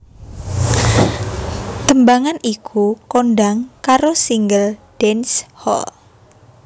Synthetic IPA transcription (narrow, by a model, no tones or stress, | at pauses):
t̪əmbaŋanikʰukonɖaŋkaɾosiŋɡəlɖ̥ɛnshɔ̰l